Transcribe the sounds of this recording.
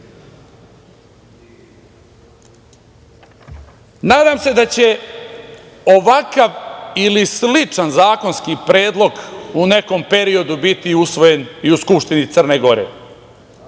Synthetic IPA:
naːd̪aːmse̞d̪at͡ɕe̞ | o̞ʋakaʋilislit͡ʂanzaːko̞nskipɾe̞ːd̪lˠo̞ɡune̞ko̞mpe̞ɾio̞d̪ubit̪iusʋo̞je̞niuskupʃt̪init̪sər̩ne̞ɡo̞ɾḛ

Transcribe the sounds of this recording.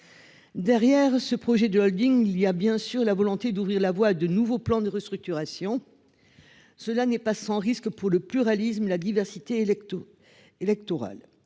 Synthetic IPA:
d̪ɛʁjɛʁsəpχɔʒɛd̪əɔld̪iŋiliabjɛ̃syʁlavɔlɔ̃t̪ed̪uvʁiʁlavwaːd̪ənuvoplɑ̃d̪əʁəst̪χyk̚t̪yʁasjɔ̃ | səlanɛpasɑ̃ʁiskpuʁləplyʁalisməlad̪ivɛʁsit̪e | elɛk̚t̪ɔʁa̰l

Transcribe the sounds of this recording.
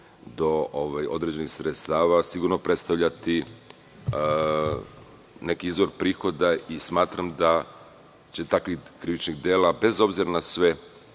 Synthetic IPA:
d̪o̞ʔoʋajo̞̰d̪ɾed͡ʑe̞nixsɾet̪st̪aːʋasiɡuɾno̞pɾe̞t̪st̪aʋʎat̪i | ne̞kiizʋo̞ɾpɾiːxo̞d̪aismaːt̪ɾamd̪a | t͡ɕe̞t̪akʋikɾiʋit͡ʃniɣd̪eːlabe̞zo̞bziɾanasʋe̞

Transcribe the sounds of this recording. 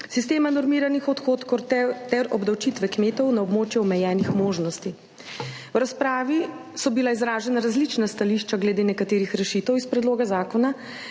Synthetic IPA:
sist̪eːmanɔɾmiːɾanixɔt̪xoːt̪kɔt̪ɛt̪ɛɾɔbd̪awt͡ʃit̪ʋɛkmeːt̪ɔwnaɔbmoːt͡ʃjɛɔmɛjɛːnixmoːʒnɔst̪i | wɾaspɾaːʋi | sɔbilaizɾaːʒɛnaɾazlit͡ʃnast̪aliʃt͡ʃaɡlɛd̪eːnɛkat̪eːɾixɾɛʃit̪ɛwispɾɛd̪loːɡazaːkɔna

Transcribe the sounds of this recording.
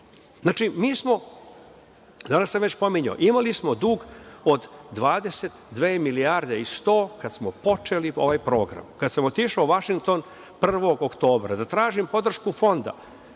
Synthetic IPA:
zaːt͡ʃimiːsmo̞ | d̪anasːamʋet͡ɕpo̞miɲa̰ʔimalismo̞d̪uːɡo̞d̪d̪ʋaːd̪e̞set̪d̪ʋeːmilijaɾd̪e̞ist̪o̞ːkad̪smopo̞t͡ʃelio̞ʋajpɾo̞ːɡɾa̰mkad̪samo̞t̪iʃaoʋaʃiŋɡ̚t̪o̞n | pr̩ʋo̞ɡokt̪o̞ːbɾa̰d̪at̪ɾaːʒimpo̞d̪r̩ʃkufo̞nd̪a̰

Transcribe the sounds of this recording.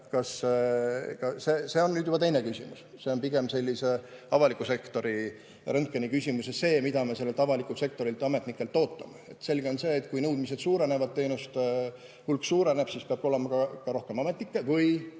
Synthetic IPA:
kɑs | kɑsese̞ːo̞nnyːd̪jub̥ɑt̪e̞jne̞kysʲimṵs | se̞o̞npiɡ̥e̞mse̞lʲːise̞ɑvɑlikˑuse̞kt̪o̞ɾi | ɾɤŋkːˑenikysʲimusese̞ːmid̪ɑmese̞lːelt̪ɑvɑlikːˑult̪se̞k̚t̪o̞ɾilt̪ɑme̞t̪nikːˑe̞lt̪ːo̞ːt̪ːˑɑ̰meet̪se̞lɡ̥eo̞nse̞ːt̪ˑkujnɤwd̪mise̞d̪̥suːɾe̞nevɑd̪̚t̪ːe̞ːnust̪ | hulksuːɾeneb̥siːspeɑb̥o̞lemɑkɑkɑɾo̞hkemɑme̞t̪nikːevɯj

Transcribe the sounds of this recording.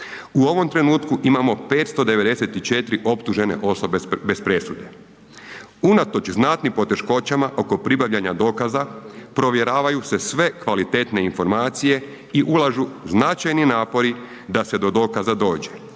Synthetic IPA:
uo̞ʋo̞mt̪ɾe̞nuːt̪kuʔimamo̞pe̞ːt̪st̪o̞d̪e̞ʋe̞d̪e̞set̪it͡ʃe̞t̪ɾiʔo̞pt̪uʒe̞ne̞̰ʔo̞so̞bebe̞spɾe̞sud̪e̞ | unat̪o̞t͡ʃznat̪nimpo̞t̪e̞ʃko̞t͡ɕamaʔo̞ko̞pɾibaʋʎaɲad̪o̞ːkazapɾo̞ʋje̞ɾaːʋajuse̞sʋe̞kʋalit̪eːt̪ne̞info̞ɾmaːt̪sije̞ | iʔulaʒuznat͡ʃajninaːpo̞ɾi | d̪ase̞d̪o̞d̪o̞ːkazad̪o̞ːd͡ʑe̞

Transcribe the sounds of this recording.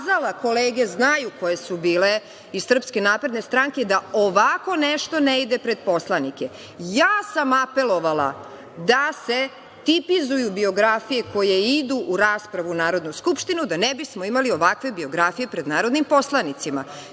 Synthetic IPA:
zalako̞leːɡe̞znajuko̞je̞subiːle | isr̩pske̞naːpɾe̞d̪ne̞st̪ɾaŋke̞d̪aoʋako̞neʃt̪o̞neid̪epɾe̞d̪̚po̞slˠanike̞ | jaːsamape̞lˠo̞ʋala̰ | d̪ase̞ | t̪ipizujubio̞ɡɾafije̞ko̞je̞id̪uʔuɾaːspɾaʋunaːɾo̞d̪nuskupʃt̪inud̪anebismo̞imalio̞ʋakʋe̞bio̞ɡɾafije̞pɾe̞d̪naːɾod̪nimpo̞slˠanit̪sima̰

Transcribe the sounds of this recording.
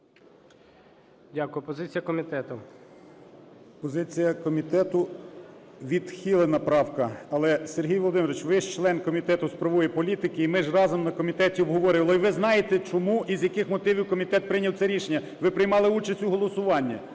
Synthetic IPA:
dʲakʊjʊpɔzɪt͡sʲijɐkɔmʲit̪ɛt̪ʊ | pɔzɪt͡sʲijɐkɔmʲit̪ɛt̪ʊ | ʋʲid̪xʲilˠɐnɐpɾɑwkɐɐlˠɛserɦʲijʋɔlˠɔd̪ɪmɪɾɔʋɪt͡ʃʋɪʃt͡ʃlˠɛnkɔmʲit̪ɛt̪ʊspɾɐʋujɛpɔlʲit̪ɪkɪimɪʒrɑzɔmnɐkɔmʲit̪ɛtʲiɔbɦɔʋɔɾɪʋɐlˠɔiʋɪznɑjet̪ɛt͡ʃɔmuʔizʲjɐkɪxmɔt̪ɪʋʲiwkɔmʲit̪ɛt̪̚pɾɪnʲɐwtsɛɾʲiʃenʲːɐ | ʋɪpɾɪjmɑlˠɪut͡ʃɐsʲtʲuɦɔlˠɔsʊʋɑnʲːɐ

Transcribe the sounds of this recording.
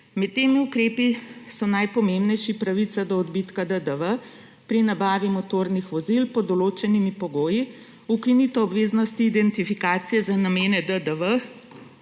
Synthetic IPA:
mɛt̪ːeːmiukɾeːpisɔnajpɔmembnɛjʃipɾaʋit̪sad̪ɔːd̪bit̪kad̪əd̪əʋə | pɾinabaːʋimɔt̪oːɾnixʋɔzilpɔd̪ɔloːt͡ʃɛnimipɔɡoːji | ukinit̪ɔɔbʋeːznɔst̪iːd̪ɛnt̪ifikaːt̪sijɛzanameːnɛd̪əd̪əʋə

